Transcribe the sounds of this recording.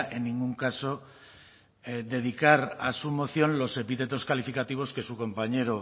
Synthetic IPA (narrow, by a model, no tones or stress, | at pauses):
e̞nːĩŋɡuŋkaso̞ | d̪e̞ð̞ikaɾasumo̞θjõ̞nlo̞se̞pit̪e̞t̪̬o̞skalifikat̪iβ̞o̞ske̞suko̞mpaɲe̞ɾo